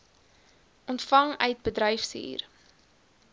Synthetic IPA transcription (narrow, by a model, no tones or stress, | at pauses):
ʔɔntfɐŋœɥt̚bədɾœjfsḭːr